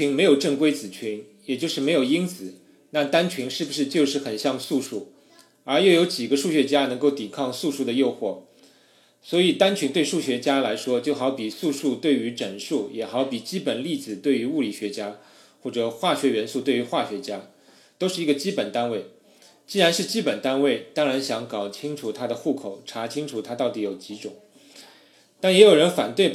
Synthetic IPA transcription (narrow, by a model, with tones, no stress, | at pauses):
i˧˥ŋme˧˥ɪjo˨˩ʊʈ͡ʂɤ˥˩ŋkwe˥ɪt͡sɹ̩˨˩t͡ɕʰy˧˥n | jɛ˨˩t͡ɕjʊʂɻ̩˥˩me˧˥ɪjo˨˩i˥ŋt͡sɹ̩˨˩˦ | na˥˩t̪a˥nt͡ɕʰi˧˥ŋʂɻ̩˥˩bu˩ʂɻ̩˥˧t͡ɕjo˥˧ʊʂɻ̩˥˩xə˨˩nɕjɑ˥˧ŋsu˥˧ʂu˥˩ | ə˞˧˥jo˥˩ʊjo˧˥ʊt͡ɕi˨˩ɡə˧˦ʂu˥˩ɕɥɛ˧˥t͡ɕja˥nɤ˧˥ŋko˥˩ʊt̪i˨˩kʰɑ˥˧ŋsu˥˧ʂu˥˩d̪ə˩jo˥˧ʊxwɔ˥˩ | swɔ˧˥i˨˩t̪a˥nt͡ɕʰy˧˥ŋt̪we˥˧ɪʂu˥˩ɕɥɛ˧˥t͡ɕja˥la˧˥ɪʂwɔ˥t͡ɕjo˥˩ʊxʊpi˨˩su˥˧ʂu˥˧t̪we˥˩ɪy˧˥ʈ͡ʂə˨˩nʂu˥˩jɛ˨˩xɑ˧˥ʊpi˨˩t͡ɕi˥pə˨˩nli˥˩d͡zɹ̩˨˩t̪we˥˩ɪy˧˥u˥˩li˨˩ɕɥɛ˧˥t͡ɕja˥ | xwɔ˥˩ʈ͡ʂɤ˨˩˦xwa˥˩ɕɥɛ˧˥ɥɛ˧˥nsu˥˧t̪we˥˩ɪy˧˥xwa˥˩ɕɥɛ˧˥t͡ɕja˥ | t̪o˥ʊʂɻ̩˥˩i˧˥ɡə˧t͡ɕi˥pə˨˩nt̪a˥nwe˥˩ɪ | t͡ɕi˥˩ɻa˧˥nʂɻ̩˥˩t͡ɕi˥pə˨˩nt̪a˥nwe˥˩ɪt̪ɑ˥ŋɻa˧˥nɕjɑ˧˥ŋkɑ˨˩ʊt͡ɕʰi˥ŋʈ͡ʂʰu˨˩t̪ʰa˥d̪ə˨xu˥˩kʰo˨˩ʊʈ͡ʂʰa˧˥t͡ɕʰi˥ŋʈ͡ʂʰu˨˩t̪ʰa˥t̪ɑ˥˩ʊt̪i˧˥jo˨˩ʊt͡ɕi˧˥ʈ͡ʂʊ˨˩˦ŋ | t̪a˥˩njɛ˧˥jo˨˩ʊɻə˧˥nfa̰˨˩nt̪we˥˩ɪ